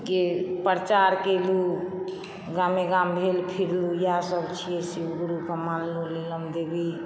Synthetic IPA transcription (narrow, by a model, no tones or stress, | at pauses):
kepəɾt͡ʃaɾkelu | ɡameɡambʱelpʰiɾlujasəbt͡ʃʰijesiwɡɾukəmanluliləmd̪ebi